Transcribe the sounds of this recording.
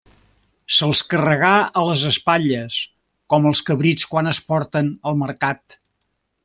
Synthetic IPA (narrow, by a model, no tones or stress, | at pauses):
səlˠskərəɣaələzəspaʎəs | kɔməlˠskəβɾit͡skwanəspɔɾt̪ənəlˠməɾkat̪